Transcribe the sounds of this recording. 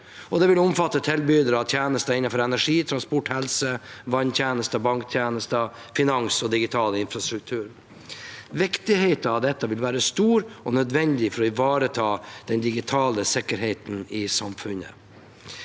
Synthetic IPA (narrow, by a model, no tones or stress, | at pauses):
ʔɔd̪ɛʋɪlʊmfɑt̪ːət̪ʰɪlbyːd̪əɾɑt̪ʰjæːnəst̪əɪnːɑfɔɾɛnæʂiːt̪ʰɾɑnspɔʈhɛlsəʋɑnt̪ʰjæːnəst̪əbɑŋkt̪ʰjæːnəst̪ə | fɪnɑŋsɔd̪ɪɡɪt̪ʰɑːləɪnfɾɑst̪ɾʉkt̪ʰʉːɾ | ʋɪkt̪ɪheɪt̪əɑʋd̪ɛt̪ːəʋɪlʋæːɾəst̪uːɾɔnœd̪ʋɛnd̪ɪfɔɾɔɪʋɑːɾət̪ʰɑːd̪̥ɛnd̪ɪɡɪt̪ʰɑːləsɪkːəɾɦeɪt̪n̩ɪsɑmfʉnə̰